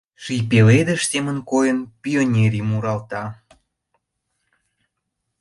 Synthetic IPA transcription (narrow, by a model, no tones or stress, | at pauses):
ʃijpeled̪eʃsemənkojənpʲionʲeɾʲimuɾɑlt̪ɑ